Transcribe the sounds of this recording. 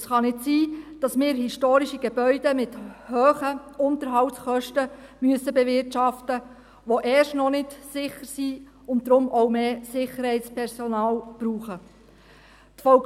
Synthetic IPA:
sχɑnɪtsiːd̥ɑsmɪːɾɦiʃtoːɾiʃiɡ̥ebœʏdəmɪthøːχəʊnt̪əɾɦɑwtsχœʃtəmyəsəbɛvɪrtʃɑftə | ʋoʔɛːʃtnɔnɪtsɪχəɾsiː | ʊnt̚dɾʊmʔɔʊmeːsɪχəɾhɛɪtspʰɛɾsɔnɑːlb̥ɾuːχə | tfɔ

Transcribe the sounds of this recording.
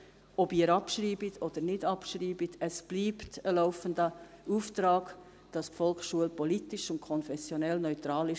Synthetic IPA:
ɔbiːəɾɑpʃriːbitʰɔd̥əɾnɪdɑpʃɾiːbitʰɛsb̥liːptəlaʊfəndə | uːft̪ɾɑːɡ̥ | d̥ɑsfɔlkχʃuəlpɔlitɪʃʊnkʰɔnfɛsjɔnɛlnœʏt̪ɾɑːlɪ

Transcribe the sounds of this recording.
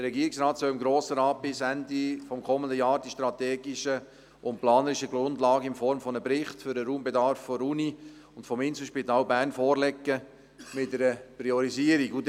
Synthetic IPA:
d̥əɾɛɡiːɪksɾɑːtsœlɪmɡɾoːsəɾɑːt̚b̥ɪsændifɔmkʰɔməndəjɑːɾdiʃtɾɑt̪eːɡɪʃə | ʊntplɑːnəɾɪʃəɡɾʊndlɑːɡəɪnfɔɾmfɔnəpɾɪχtfʏɾəɾuːmbedɑɾfːɔɾuni | ʊntfɔmɪnsl̩ʃpitɑːlbæːɾnfɔːɾlɛkːə | mɪtːəɾəpɾiɔɾiziəɾiɡud

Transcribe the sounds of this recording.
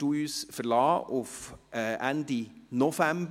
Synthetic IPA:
tuːyːsfəɾlɑːʔʊfɛːʔænd̪inɔfæmb

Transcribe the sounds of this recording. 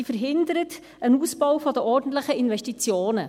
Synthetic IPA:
ifəɾɦɪnd̪əɾət | ənuːspɔwfɔd̪əʔɔɾdn̩t̪ləχəinvɛʃtit͡sjoːnə

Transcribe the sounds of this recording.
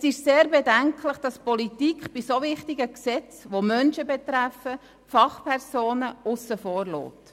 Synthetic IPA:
ɛsɪʃseːɾbɛdæŋkʰləχd̥ɑspɔlitikχb̥isoʋɪχtiɡəksɛt͡sʋomœnʃəbɛt̪ɾæfə | fɑχpʰɛɾsoːnəʊsəfɔːɾlɔ̰ːt

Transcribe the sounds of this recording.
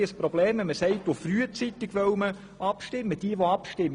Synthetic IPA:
əsprɔbleːmɛməsɛɪtofryːət͡sit̪ɪɡ̥ʋœʊmə | ʔɑpʃtɪmːəd̥iəʋoɑpʃtɪm

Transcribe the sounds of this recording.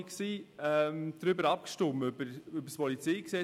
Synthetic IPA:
ksiːɛmd̥ɾʏbəɾɑp̚kʃtʊməybəɾʏbəɾspʰɔlit͡seɪksɛ

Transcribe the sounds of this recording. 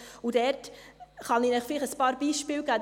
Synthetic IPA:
udɛɾtχɑninɛχfɪliχəspɑːɾbiːʃpɪːlɡæː

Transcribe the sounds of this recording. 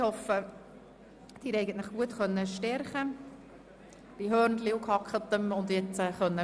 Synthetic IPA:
hɔfːə | d̥iːɾɛɪɡən̩t̪lɪχɡ̥uətχœnːəʃtɛɾχə | b̥iɦœːɾndliʊkʰhɑkχət̪əmʊndjɛt͡səχœnːə

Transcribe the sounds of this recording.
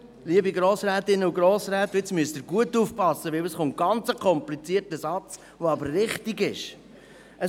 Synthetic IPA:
liːəbiɡɾoːsɾɛːt̪ɪnːəuɡɾoːsɾɛːt̪ːɪt͡smyəst̪ɪːɾɡuətːuːfpɑsːəʋɪləsχʊnt̚ɡ̥ɑnt͡səkʰχɔmplit͡siəɾtəsɑt͡s | voɑbəɾːɪχtiɡɪʃ | ə

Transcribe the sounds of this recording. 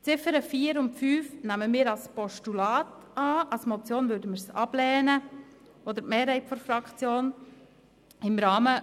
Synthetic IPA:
t͡sɪfəɾəfiːəɾʊntfyːfnæməmɪːɾɑlspɔʃtulɑːtɑːɑlsmɔt͡sjoːnvødəmɪɾsɑ̰b̥lɛːnə | ɔd̪əɾmɛːɾhɛɪtfɔɾfɾɑkʰt͡sjoːn | ɪmɾɑːmə

